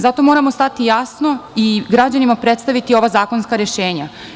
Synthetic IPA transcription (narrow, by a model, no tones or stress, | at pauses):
zat̪o̞mo̞ɾamo̞st̪at̪ijasno̞iɡɾad͡ʑanimapɾet̪st̪aʋit̪io̞ʋazaːko̞nskaɾeʃeːɲa